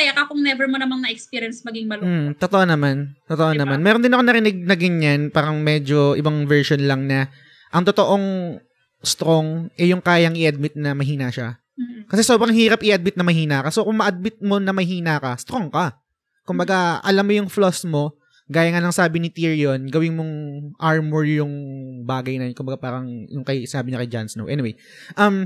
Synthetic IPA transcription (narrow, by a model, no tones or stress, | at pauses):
kɐjakɐkʊŋnɛvɛɹmonɐmannɐʔɛkspiɾjɐnsmɐɡiŋmɐl̩ːt̪ot̪oʔonɐmant̪ot̪oʔonɐmanmɛːɾond̪ɪnɐkonɐɾɪnɪɡ̚nɐɡɐɲːanpaːɾɐŋmɛd͡ʒo̞ʔɪbaŋvɛɹʃonlɐŋnɐ | ʔɐŋt̪ot̪o̞ʔoŋ | st̪ɾoŋʔɛjʊŋkaːjɐŋʔɪʔɐd̪̚mɪt̪̚nɐmɐɦiːnɐʃa | kɐsɛsobɾɐŋhiːɾɐpʔɪʔɐd̪̚mɪt̪nɐmɐɦiːnakɐsokʊŋmɐʔɐd̪̚mɪt̪̚mo̞nɐmɐɦiːnakɐst̪ɾoŋkɐ | kʊmbɐɡaʔɐ̰lamːojʊŋflosmo̞ | ɡaːjɐŋalɐŋsaːbɪnɪt̪iɹjo̞nɡɐwɪnmoŋʔaɹmʊɹjʊŋbaːɡɐjnɐj̪kʊmbɐɡapaːɾɐŋjʊŋkɐjsɪnaːbɪɲɐkɐjd͡ʒa̰nsno̰wʔɛnɪwej | ʔɐm